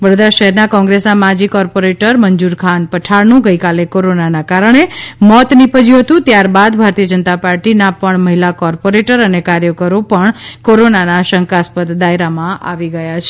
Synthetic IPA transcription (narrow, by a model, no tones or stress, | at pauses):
ʋəɾod̪ɾaʃəɦɛɾnakɔ̃ŋɡɾesnamad͡ʒikɔɾpoɾeʈəɾməɲd͡ʒuɾkʰanpəʈʰaɾnũɡəikalekoɾonanakaɾəɳemɔt̪nipəd͡ʒiɦət̪ũt̪jaɾbad̪bʱaɾt̪ijəd͡ʒənt̪apaɾʈinapəɳməɦilakɔɾpoɾeʈəɾənekaɾjəkəɾopəɳkoɾonanaʃəŋkaspət̪d̪aeɾamãʔa̰ʋiɡəjat͡ʃʰe